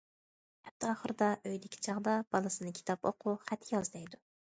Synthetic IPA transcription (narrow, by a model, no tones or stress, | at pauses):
hɛp̚t̪ʰːɑːχəɾɨd̪ɑʔøjd̪ɪkʲʰi̥t͡ʃʰɑʁd̪ɑb̥ɑlˠɨsɨnɨkʲʰi̥t̪ʰɑpo̰qʰʊχæt̪jɑzd̪ɛjd̪u